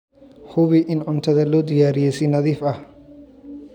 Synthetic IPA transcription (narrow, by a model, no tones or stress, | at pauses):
hʊβɪʔɪnʕʊnt̪ʰɐðɐlɔːd̪ɪjaːɾɪjɛːsɛnɐðiːfɐh